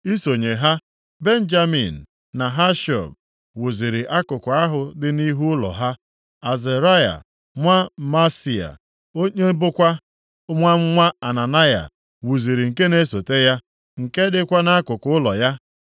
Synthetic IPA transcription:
i˦so˨ɲe˨ɦa˦ | be˦n̩˦d͡ʒa˦mḭ˨n̩˨ | na˨ɦa˦ʃɔ̰˨b̚ | wu˨zi˨ɾi˨ʔa˦kʊ˨kʊ˨a˦ɦʊ˨dɪ˦ni˦ɦu˦ʊ˦lɔ̰˨ɦa˦ | a˨ze˨ɾa˦ja̰˨ | mʷa˦ma˦si˨a̰˨ | o˦ɲe˦bʊ˦kʷa˦ | ŋʷa˦m̩˦ŋʷa˦a˨na˨na˦ja̰˨ | wu˨zi˨ɾi˨ŋ̩˨ke˦ne˦so˨te˦ja˦ | ŋ̩˨ke˦dɪ˦kʷa˦na˦a˦kʊ˨kʊ˦ʊ˦lɔ˨ja˦

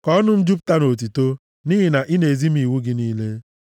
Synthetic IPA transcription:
kɔ˦ɔ˦nʊ˦m̩˦d͡ʒu˦p̚ta˦no˨t̬i˨to˦ | niː˦ɦi˨na˨ʔɪ˦ne˨e˨zi˦m̩˦i˨wu˦ɡɪ˦niː˦le˦

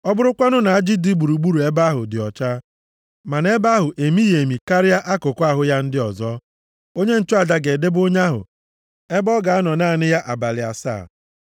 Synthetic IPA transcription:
ɔ˦bʊ˦ɾʊ˦kʷa˦nʊ˦na˨a˦d͡ʒɪ˦di˦ɡ͡bu˨ɾu˨ɡ͡bu˦ɾu˨e˦ba˦ɦʊ̰˨dɪ˨ɔ˨t͡ʃa˦ | ma˨ne˦ba˦ɦʊ˨ʔe˨mi˦je˨mi˨ka˦ɾɪ˦ja˦ʔa˦kʊ˨kʷa˦˨ɦʊ˦ja˦n̩˦dɪ˦ɔ˨zɔ˦ | o˦ɲe˦n̩˨t͡ʃʊ˦a˨da˨ɡe˨de˦bo˦ɲ˦a˦ɦʊ̰˨ | e˦bɔ˦ɡa˨a˦nɔ˨naː˦˨nɪ˦ja˦ʔa˨ba˨lɪ˨a̰˨sa̰ː˦˨

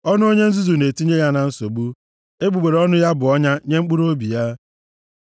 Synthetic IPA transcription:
ɔ˦nʊ˦o˦ɲe˦n̩˦zu˦zu˨ne˨ti˦ɲe˦ja˦na˨n̩˦so˨ɡ͡bu˦ | e˦ɡ͡bu˨ɡ͡be˨ɾɔ˦nʊ˦ja˦bʊ˨ɔ˦ɲa˦ɲe˦ŋ͡m̩˦k͡pu˦ɾo˦bi˨ja˦

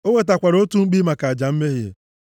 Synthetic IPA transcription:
o˦ŋʷe˦t̬a˨kʷa˨ɾo˦tu˦ŋ͡m̩˦k͡pi˦ma˨ka˨a˨d͡ʒa˨m̩˦me˦ɦjḛ˨

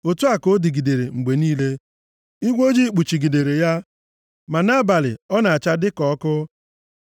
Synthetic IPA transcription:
o˨tu˦a˨ko˦di˨ɡi˨de˨ɾe˨ŋ͡m̩˨ɡ͡be˨niː˦le˦ | i˦ɡʷo˦d͡ʒi˦˨k͡pu˨t͡ʃi˨ɡi˨de˨ɾe˨ja˦ | ma˨na˦ba˨lɪ̰˨ɔ˦na˨a˨t͡ʃa˦dɪ˦kɔ˦kʊ˦

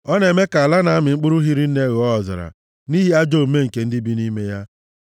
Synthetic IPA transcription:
ɔ˦ne˨me˦ka˨a˨la˦na˨a˦mɪ˨ŋ͡m̩˦k͡pʊ˦ɾʊ˦ɦi˦ɾi˦n̩˦ne˦ɣɔ˦ɔ˨za̰˨ɾa̰˨ | ni˦ɦi˦a˦d͡ʒo˦˨m̩˦me˦ŋ̩˨ke˨n̩˦dɪ˦bi˦ni˦me˦ja˦

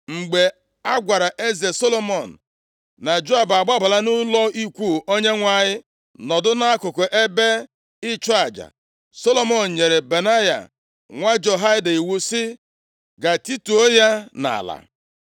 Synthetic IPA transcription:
ŋ͡m̩˨ɡ͡be˨ | a˦ɡʷa˨ɾa˨ʔe˦ze˨so˦lo˦mɔ˨n̩˨ | na˨d͡ʒo˦a˨ba˨ɡ͡ba˦ba˨la˦nʊ˦lɔ˦i˦kʷu˦˨o˦ɲe˦ŋʷa˨ɲɪ˦ | nɔ˨dʊ˦na˦a˦kʊ˨kʊ˨ʔe˦be˦ | ɪ˦t͡ʃɔ˦a˨d͡ʒa̰˨ | so˦lo˦mɔ˨n̩˨ɲe˨ɾe˨be˨na˦ja̰˨ | ŋʷa˦d͡ʒo˨ɦa˦ɪ˦da˨i˨wu˦sɪ˦ | ɡa˨ti˦tu˨o˦ja˦na̰˨la̰˨

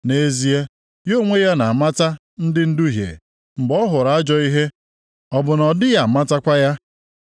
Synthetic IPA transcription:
ne˦zi˦e˦ | jo˦˨ŋʷe˦ja˦na˨ma˦ta˦ | n̩˦dɪ˦n̩˦du˦ɦjḛ˨ | ŋ͡m̩˨ɡ͡bɔ˦ɦʊ˨ɾa˨a˦d͡ʒɔ˦i˦ɦe˦ | ɔ˨bʊ˨nɔ˨dɪ˦ja˨ma˦ta˦kʷa˦ja˦

